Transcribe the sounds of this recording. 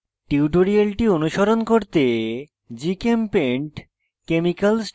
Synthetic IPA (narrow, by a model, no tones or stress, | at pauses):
ʈiuʈoɾialʈionuʃoɾonkoɾt̪e | d͡ʑikempeɳʈ | kemikals